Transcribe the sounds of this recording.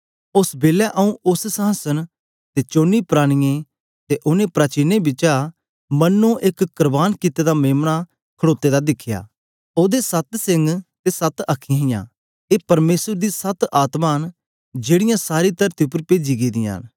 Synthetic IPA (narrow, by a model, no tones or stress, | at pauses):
ʊsbeːlɛʔɐũʊssãːsən | t̪et͡ʃoːnːipɾaːɽ̃ɪjẽ | t̪eʔʊnẽpɾaːt͡ʃɪnebɪt͡ʃa | mɐnːõʔɪkːəɾbaːnkɪt̪ed̪ameːmna | kʰəɽoːt̪ːed̪ad̪ɪkʰːɪja̰ː | oːd̪esɐt̪sɪ̃ŋɡt̪esɐt̪ɐkʰɪjãɦɪ̃jã̰ | eːpɐɾmeːsəɾd̪isɐt̪aːt̪maːn | d͡ʒeːɽɪjãsaːɾit̪ɐɾt̪iʊpəɾpeːd͡ʒiɡid̪ɪ̃ja̰ːn